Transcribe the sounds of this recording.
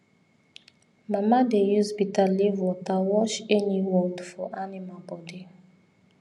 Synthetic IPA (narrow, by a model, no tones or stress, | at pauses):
mamadejuzbitalivwɔtawɔʃɛniwɔldfɔʔanimabɔdi